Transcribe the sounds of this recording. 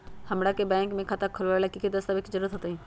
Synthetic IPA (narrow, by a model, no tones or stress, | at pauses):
hɐmɽakebɛ̃ːŋkmẽkʰat̪akʰəlʋlakikid̪ɐst̪abɪkzəɾuːɾət̪ɦoːt̪aɦĩː